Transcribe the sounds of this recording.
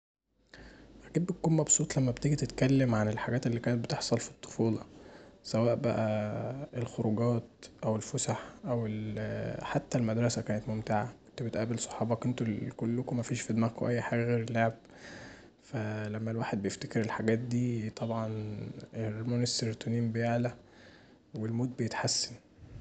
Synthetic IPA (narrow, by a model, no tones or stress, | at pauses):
ʔækiːt̪̚bet̪̚kuːnmɑbsˤuːt̪ˤlæmːæbet̪eɡit̪et̪kælːemʕanelħaɡæːt̪elːiːkæːnet̪̚bet̪eħsˤɑlfi̥t̪ˤːo̥fuːlɑ̰sæwæːʔbæʔæʔelxoɾuɡɑːt̪̚ʔæwelfosaħʔæwelħat̪ːælmæd̪ɾˤɑsækæːnet̪momt̪eʕakont̪obet̪ʔæbelsˤo̥ħɑːbɑkont̪okolːokomæfiːʃfid̪mækoʔæjːħaːɡæɣeːɾelːoʕeb̚ | fælæmːælwaːħed̪̚bejeft̪ekeɾelħaɡæːt̪̚d̪iːt̪ˤʰɑbʕɑnelmoneseɾt̪oniːmbejeʕlæ | welmoːt̪̚bejet̪ħasːæn